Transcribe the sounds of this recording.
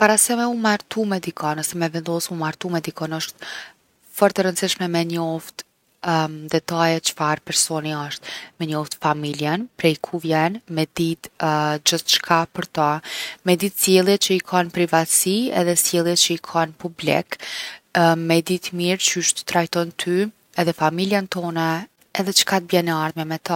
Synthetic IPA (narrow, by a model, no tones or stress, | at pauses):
paɾasɛmɛumaɾt̪umɛd̪ikʰɔnɔsɛmɛvɛnd̪ɔsmumaɾt̪umɛd̪ikʰɔnɔʃt̪ | fɔɾt̪ɛɾənsiʃmɛmɛɲɔft̪ | d̪ɛt̪ajɛt͡ʃə̥faɾpɛɾsɔniɔʃt̪̚mɛɲɔft̪familjɛnpɾɛjkʰuvjɛnmɛd̪it̪d͡ʑəθt͡ʃkʰapəɾt̪amɛd̪it̪sjɛlˠjɛt͡ʃəikʰanpɾivat̪siɛ̰ðɛsjɛlˠjɛt̚t͡ʃəikʰanpublḭk | mɛd̪it̪miɾt͡ʃyʃt̪ə̥t̪ɾajt̪ɔnt̪ʰy | ɛðɛfamiljant̪ɔna | ɛðɛt͡ʃə̥kat̪̚bjɛnːɛaɾðmjɛmɛt̪a